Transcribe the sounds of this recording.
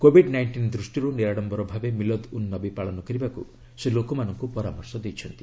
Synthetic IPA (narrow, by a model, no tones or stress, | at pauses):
kobʱiɖnajɳʈind̪ɾusʈiɾuniɾaɽɔmbɔɾɔbʱabemilɔd̪unːɔbipaɭɔnɔkɔɾibakṵ | selokɔmanɔŋkupɔɾamɔɾsɔd̪ejt͡ʃʰɔnt̪i